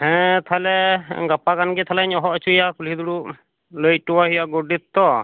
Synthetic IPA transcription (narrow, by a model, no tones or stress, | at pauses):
hɛ̃t̪ʰalɛɡapakanɡɛt̪ʰalaɲɔɦɔʔɔt͡ʃʰujakulid̪uɽu | ləj̚ʈuwaɦijaɡoɖit̪ːɔ